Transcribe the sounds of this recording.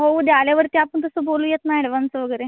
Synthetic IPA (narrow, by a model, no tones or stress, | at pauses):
ɦoud̪aljaʋəɾt̪jaːpəɳt̪əsəbolujet̪naeɽeʋant͡səʋəɡəɾe